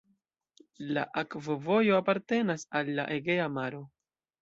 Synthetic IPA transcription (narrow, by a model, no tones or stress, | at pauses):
la̰ʔakvovo̞jo̞apaɾte̞nasalːa̰ʔeɡe̞amaɾo̞